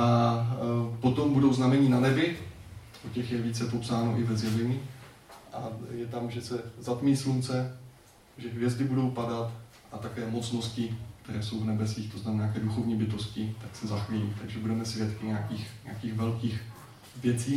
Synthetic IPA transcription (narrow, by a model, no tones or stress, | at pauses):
ʔa | po̞t̪o̞mbudowznamɛɲiːnanɛbɪ | ʔocɛxjɛviːt͡sɛpopsaːnoʔɪvɛzjɛvɛɲɪ | ʔajɛt̪amʒɛsɛzat̪miːslunt͡sɛ | ʒɛɦvjɛzdɪbudo̞wpadat̪ | ʔat̪akɛːmo̞t͡sno̞scɪk̚t̪ɛɾɛːso̞wvnɛbɛsiːxt̪oznamɛnaːkɛːduxo̞vɲiːbɪt̪oscɪt̪aksɛzaxvɪɛlḭːt̪aɡʒɛbudɛmɛsvjɛt̪kɪɲakiːxɲɛakiːxvɛlkiːx | vjɛt͡siː